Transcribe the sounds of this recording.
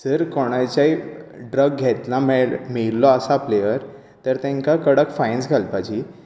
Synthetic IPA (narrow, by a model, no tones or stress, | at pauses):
d͡zəɾkɔɽ̃ajt͡ɕaiɖɾəɡːʱet̪lãmɛmiɭlɔəsapleʋəɾ | t̪əɾt̪ɛ̃ŋkakəɽəkfajnsɡʱalpad͡ʑi